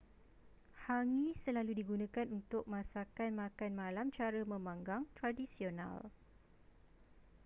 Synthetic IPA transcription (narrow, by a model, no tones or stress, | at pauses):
haŋĩsəlaludiɡunãkanunt̪ʊk̚mãsakanmãkanmãlamt͡ʃaɾəmə̃mãŋɡaŋt̪ɾadisiona̰l